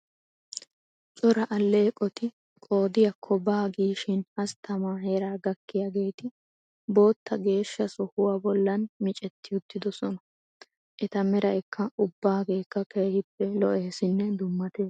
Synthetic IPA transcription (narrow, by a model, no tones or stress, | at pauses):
t͡ʃʼɔɾɐʔɐlːeːkʼɔt̪ɪ | kʼo̞ːd̪ɪjɐkʰːɔbaːɡiːʃɪnɐst̪ɐmaːhe̞ːɾaːɡɐkːɪjaɡe̞ːt̪ɪ | bo̞ːt̪ːɐɡe̞ːʃːɐsɔhʊwabɔlːɐnmɪt͡ʃʼɛt̪ːɪjʊt̪ːɪd̪ɔsɔnɐ | ʔɛt̪ɐmɛɾɐʔɛkʰːɐʔʊbːaːɡe̞ːkːɐkeːhɪpːɛlɔʔeːsɪnːɛd̪ʊmːɐt̪eːs